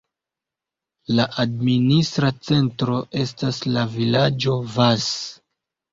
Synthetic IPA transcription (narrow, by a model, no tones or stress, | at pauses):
laʔadministɾat͡se̞ntɾo̞ʔe̞staslavilad͡ʒo̞vas